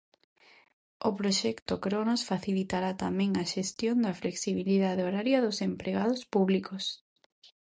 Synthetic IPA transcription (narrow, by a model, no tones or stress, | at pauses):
ʊpɾoʃɛkt̪ʊkɾonosfaθilit̪aɾat̪amɛ̃ŋɐʃest̪jond̪ɐfleksiβ̞iliðað̞eoɾaɾjɐðʊsempɾeɣaðʊspuβlikos